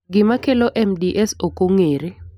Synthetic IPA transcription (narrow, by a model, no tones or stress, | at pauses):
ŋɡimakʰɛlɔʔɛmdiʔɛsokʼuŋeːri